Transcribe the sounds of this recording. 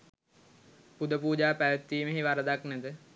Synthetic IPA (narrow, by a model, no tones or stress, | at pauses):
pud̪əpuːd͡ʒaːpæʋet̪ːiːməɦiʋaɾəd̪aknæd̪ə